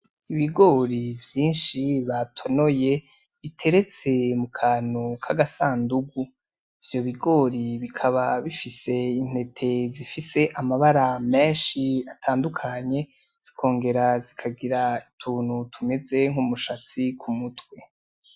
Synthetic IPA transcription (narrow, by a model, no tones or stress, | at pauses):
iβiɡo̞ːɾivjiːnʃiβatʰo̞no̞je̞ | βitʰe̞ɾe̞t͡se̞mukʰaːn̥ukʰaɡasaːnduɡu | ivjo̞βiɡo̞ːɾiβikʰaβaβifise̞in̥he̞tʰe̞zifise̞ʔamaβaɾame̞ːnʃiatʰaːndukʰaɲe̞ | z̥i̥kʰo̞ːŋɡe̞ɾazikʰaɡiɾaitʰuːn̥hutʰume̞ze̞ŋ̥umuʃat͡sikʰumutwe̞